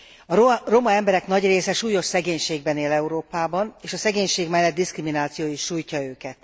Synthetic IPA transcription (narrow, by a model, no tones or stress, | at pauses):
ɒro̞mɒɛmbɛɾɛknɒɟreːsɛʃuːjo̞ʃsɛɡeːɲʃeːɡbɛneːlɛuɾoːpaːbɒneːʃɒsɛɡeːɲʃeːɡmɛlːɛd̪̚d̪iskriminaːt̪sijoːjiʃːuːjcɒøːkɛt̪